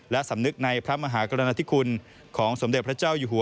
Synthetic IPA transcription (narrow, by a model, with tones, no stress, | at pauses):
lɛ˦˥ʔsa˩˦mnɯ˦˥k̚na˧jpʰɾa˦˥ma˧ɦaː˩˦kɾa˧na˧t̪ʰi˦˥kʰu˧n | kʰɔː˩˦ŋso˨˩˦md̪e˨˩t̪̚pʰɾa˥t͡ɕaː˥˩wjuː˨˩ɦu˨˩˦